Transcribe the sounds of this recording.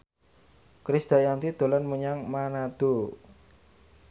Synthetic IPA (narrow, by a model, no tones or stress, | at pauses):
kɾisd̪̥a̤jant̪id̪̥o̤lanmuɲaŋmanad̪̥o̤